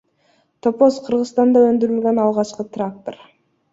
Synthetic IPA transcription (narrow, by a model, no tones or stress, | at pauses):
t̪o̞po̞sqʰɯɾʁɯzst̪ɑnd̪ɑønd̪yɾylɡønɑlˠʁɑt͡ʃqɯt̪rak̚t̪or